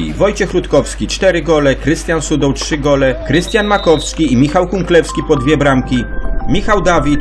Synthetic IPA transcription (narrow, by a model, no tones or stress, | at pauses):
ḭvɔjt͡ɕɛxlut̪kɔfskʲit͡ʂt̪ɛɾɘɡɔlɛkɾɘst̪jansud̪ɔwtʂɘɡɔlɛkɾɘst̪ʲjanmakɔfskʲiimʲixawkuŋklɛfskʲipɔd̪vʲjɛbɾamkʲimʲixawd̪avʲit̪